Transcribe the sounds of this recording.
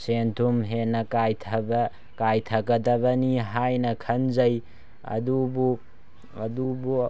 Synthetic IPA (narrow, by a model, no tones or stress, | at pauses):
sentʰumɦenːɐkajtʰɐbɐ | kajtʰɐɡɐdɐbɐniɦajnɐkʰɐnzɐj | ɐ̰dubu | ɐdubu